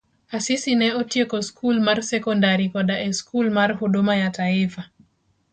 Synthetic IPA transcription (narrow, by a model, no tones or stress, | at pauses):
asisinɛotjekoskʰulmarsɛkɔndaɾikɔdaʔɛskulmarhodomajataɪfa